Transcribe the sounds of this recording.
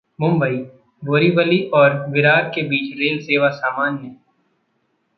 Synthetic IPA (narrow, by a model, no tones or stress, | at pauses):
mʊ̃mbəiː | boːɾiʋəliʔɔːɾʋɪɾaːɾ̚kebiːt͡ʃɾeːlseːʋasaːmaːnɦɛː